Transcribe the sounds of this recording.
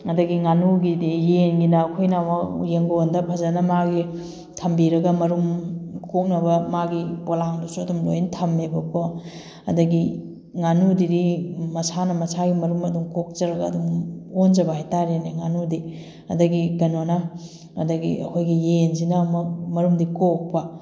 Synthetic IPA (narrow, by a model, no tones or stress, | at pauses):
ɐdɐɡiŋanuɡijenɡinɐːkʰojnamɐjeŋɡoondɐpʰɐzɐnɐmaɡi | tʰɐmbiɾɐɡɐmɐɾumkok̚nɐbɐmaɡibolaŋdusuɐdumlo̰jntʰɐmːebɐkʰo | ɐ̰dɐɡi | ŋanudiɾimɐsanɐmɐsaɡimɐɾumɐdumkok̚t͡ʃɐɾɐɡɐːdumond͡ʒɐbɐɦajtaɾeneŋanudi | ɐ̰dɐɡiɡɐnonɐ | ɐ̰dɐɡḭʔɐ̰kʰojɡijenzinɐmɐmɐɾumdikok̚pɐ